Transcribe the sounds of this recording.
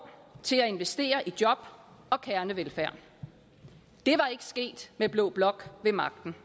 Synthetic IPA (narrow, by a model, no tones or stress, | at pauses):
t͡sʰe̝læe̝nʋesd̥e̝̰ːɐʔid̥jɒ̽b̥ɒ̽kʰæɐnəʋelfæɐ̰ | d̥e̝ʋɑ̈e̝ɡ̥ə̥sɡ̥e̝̰ːd̥meb̥lɔ̰ːb̥lɒ̽ɡ̥ʋe̝mɑ̈ɡ̥d̥n̩